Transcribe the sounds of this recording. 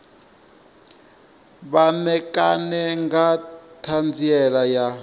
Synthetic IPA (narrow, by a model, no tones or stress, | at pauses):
βamɛkʼanɛŋɡatʰand͡ziɛlaja